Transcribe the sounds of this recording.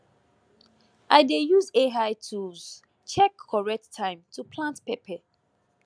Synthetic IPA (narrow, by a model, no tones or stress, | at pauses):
ʔaɪdejuzeɦaɪtʰuvz̥ | t͡ʃɛkʰːɔɹɛk̚tʰːãɪ̃mtʰupʰlãntpepɛ